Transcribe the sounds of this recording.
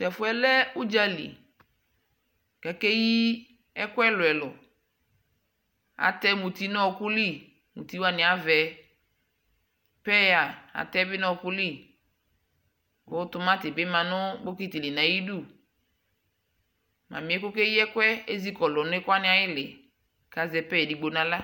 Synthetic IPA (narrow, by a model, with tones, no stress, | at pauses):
tɛ˨fʊ˦ɛ˦lɛ˦u˦d͡ʒa˦lḭ˨ | kɛ˨ke˦ji˦ | ɛ˦kwɛ˦lʊ˨ɛ˨lʊ˨ | a̰˨tɛ˦mu˨t̪i˨˦nɔ˦˨kʊ˦li˦˨ | mṵ˨ti˦wa˨nɪ̃˨a˨vɛ˨ | pɛ˦ja˨a̰˨tɛ˦bɪ˦nɔ˦˨kʊ˦li˦˨ | kʊ˨˦tʊ˦mã˦tɪ˨bɪ˦mã˨nʊ˦bo˦ki˦ti˨lɪ˨nã˨ji˦du˦˨ | mã̰˨mɪ̃˨ɛ˦kʊ˦ke˦ji˦ɛ˦kɛ˦e˦zi˦kɔ˨lɔ˨nʊ˦ɪ˦kwa˦nɪ̃˦a˨jɪ˦lɪ˨ | ka˨zɛ˨pɛ˦ɛ˨di˨ɡ͡bo˨nã˨˦la˦